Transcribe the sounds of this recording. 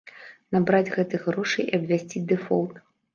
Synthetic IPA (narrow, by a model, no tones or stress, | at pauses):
nabɾad͡zʲɣɛt̪ɨɣɾɔʂɨjʔḭɐbvʲasʲt͡sʲid͡zʲd̪ɛfɔlˠt̪